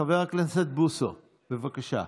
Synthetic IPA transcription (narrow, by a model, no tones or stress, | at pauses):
aveʁaklenset̪̚buso̰ | b̥evakaʃa̰